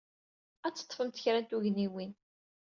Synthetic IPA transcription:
æt͡sːə̥t̪ˤːfəmt̪əçɾænt̪uʝniwin

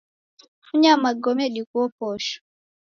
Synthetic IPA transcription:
fuɲamaɡɔmɛɗikuɔpɔʃɔ̥

